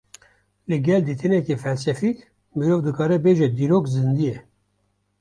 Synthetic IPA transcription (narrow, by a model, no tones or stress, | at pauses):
lɨɡɛld̪iːt̪ʰɨnɛkefɛlsɛfik | mɨɾoːvd̪ɨkʰɑːɾɛbeʒɛd̪iːɾoːkzɨnd̪ijɛ